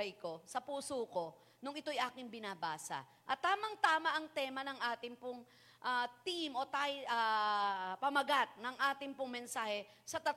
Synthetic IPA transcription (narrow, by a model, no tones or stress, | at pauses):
ɐjko̞sɐpuːsoːko̞ | nʊŋɪt̪o̞jʔaːkɪŋbɪnaːbaːsɐ̰ | ʔɐt̪ːaːmɐŋt̪aːmɐʔɐŋt̪ɛːmɐnɐŋʔaːt̪ɪŋpʊŋ | ʔaːt̪imʔo̞t̪aja | pɐmɐɡat̪̚nɐŋʔaːt̪ɪŋpʊŋmɛnsaːhɛ | sɐt̪ɐt̪